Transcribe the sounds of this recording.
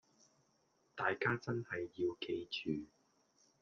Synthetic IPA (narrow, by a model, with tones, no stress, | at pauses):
t̪aː˨jkaː˥t͡sɐ˥nhɐ˨jːiː˧wkʰe˧jt͡ʃʰyː˨˩